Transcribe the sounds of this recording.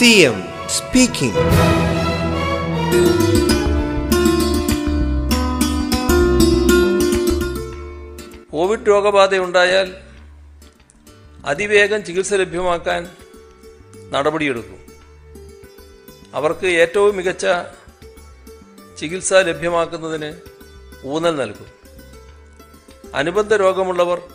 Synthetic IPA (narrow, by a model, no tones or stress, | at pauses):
siem | spiːkḭ̃ŋ | ko̞ːʋiɖɾo̞ːɡɐbaːd̪euɳɖaːjaːl | ɐ̰d̪iʋe̞ːɡɐmt͡ɕiɣilsɐle̞bʱjɐmaːkːaːn | nɐɽɐbɐɽije̞ɽukːṵm | ɐ̰ʋɐrkɨe̞ːtːɐʋumːiɣɐt͡ɕːɐ | t͡ɕiɣilsɐle̞bʱjɐmaːkːunːɐðinɨ | uːnɐlnɐlkːum | ɐ̰nubɐnd̪ʱɐɾo̞ːɡɐmuɭːɐʋɐr